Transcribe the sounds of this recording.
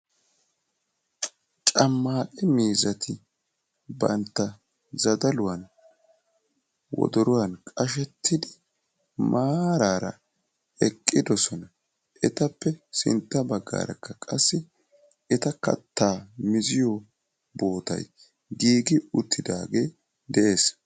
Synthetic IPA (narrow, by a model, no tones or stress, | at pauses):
t͡ʃʼɐmːaːkʼɛmiːzɐt̪ʰɪ | bɐ̰nt̪ːɐ | zɐd̪ɐlʊwɐn | wɔ̰d̪ɔɾʊwɐnkʼɐʃɛt̪ʰːɪd̪ɪ | maːɾaːɾɐ̰ | ɛkʼːɪd̪ɔsɔnɐ | ʔɛt̪ɐpːɛsɪ̰nt̪ːɐbɐɡːa̰ːɾɐ̰kʰːɐkʼɐsːɪ | ɛt̪ɐkɐ̰t̪ːaːmɪzɪjɔ | bo̞ːt̪ɐ̰j | ɡiːɡɪʊt̪ʰːɪd̪a̰ːɡe̞ː | d̪ɛʔe̞ːs